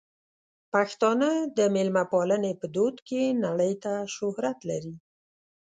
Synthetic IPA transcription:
paxt̪ɑnəd̪əmelmapɑlənepəd̪od̪kenaɽəjt̪aʃʊhɾat̪laɾi

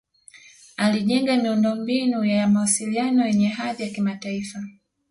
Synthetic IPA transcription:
aliʄɛŋɡamiundɔmbinujaamawasilianɔjɛɲɛɦaðijakimataifa

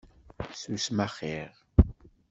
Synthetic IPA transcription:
susmaχiʁ

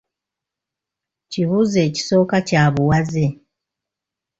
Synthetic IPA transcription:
ciβuze̞ːci̥so̞ːkacaːβuwaze

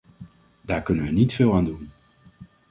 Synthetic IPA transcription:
daːɹkɵnənʋənitfɪːlˠaːndun

